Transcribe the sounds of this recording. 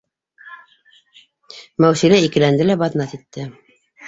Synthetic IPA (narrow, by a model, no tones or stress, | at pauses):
mæwsilæikɘ̆lænd̪ɘlæbɑt̪nɑt̪it̪ːɘ